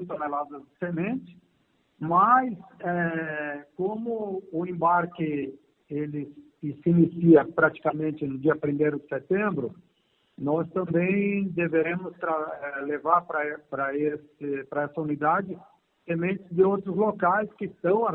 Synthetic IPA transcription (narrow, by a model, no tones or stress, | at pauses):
t̪onelad̪ɐzd̪ɪsemẽnt͡ʃ̪ɪ̥ | masɛ | kõmʊʊẽmbaɾkɪ | elɪ | ɪsɪinisiɐpɾat͡ʃi̥kamẽnt͡ʃ̪ɪnʊd͡ʒiɐpɾimejɾʊd̪ɪset̪ẽmbɾʊ | nɔst̪ɐ̃mbẽj̃d̪eveɾẽmʊst̪ɾaɛlevaɾpɾɐpɾɐesɪpɾɐɛsɐunid̪ad͡ʒɪ | semẽnt͡ʃ̪ɪzd̪ɪowt̪ɾʊzlokajskɪst̪ɐ̃w̃